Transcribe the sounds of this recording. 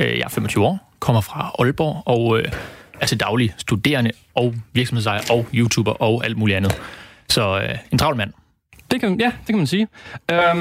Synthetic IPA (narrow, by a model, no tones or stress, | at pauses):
øjɑ̈hɐfemɒt͡sʰyːʊɒ̰ː | kʰɒ̽m̰ɐfʁɑ̈ɒ̽lb̥ɒ̰ːɒ̽ʊøæɐt͡sʰe̝ld̥ɑ̈ʊlisd̥ud̥e̝̰ːɐnə | ɒ̽ʊʋiɐɡsm̩hesɑ̈ɪɐʔɒʊjuːt͡sʰṵːb̥ɐʔɒ̽ʊæl̰d̥muːliænð̞̩ˠsɒ̽øe̝nt͡sʰʁɑ̈ʊlmæn̰ | d̥e̝kʰjæd̥e̝kʰæmænsiːø